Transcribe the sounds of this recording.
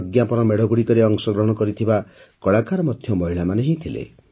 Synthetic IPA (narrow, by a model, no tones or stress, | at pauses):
ɡjapɔnɔmeɽʱɔɡuɽik̪ɔɾeɔŋsɔɡɾɔɦɔɽ̃ɔkɔɾit̪ʰiba | kɔɭakaɾɔmɔd̪ʱjɔmɔɦiɭamaneɦẽt̪ʰilḛ